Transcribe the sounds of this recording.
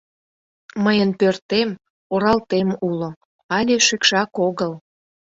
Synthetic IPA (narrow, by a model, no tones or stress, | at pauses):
məjənpørt̪em | oɾɑlt̪emulo | ɑlʲeʃykʃɑkoɣəl